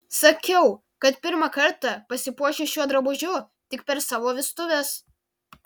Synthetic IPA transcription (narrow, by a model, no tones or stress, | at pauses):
sɐkʲɛʊ | kɐt̪pʲɪɾmɐkɐɾt̪ɑpɐsʲɪpuɔʃʲɪʃʲuɔd̪ɾɐbʊʒʲʊ | t̪ʲɪkpʲɛɾsɑːʋoːʋʲɪst̪ʊʋʲɛs